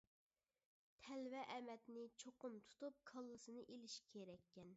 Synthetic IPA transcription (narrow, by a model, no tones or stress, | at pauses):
t̪ʰɛlvɛʔɛmɛt̪nɪt͡ʃʰoqʊmt̪ʰu̥t̪up̚kʰəlˠːɨsɨnɨʔelɪʃkʲʰeɾɛkʲːɛn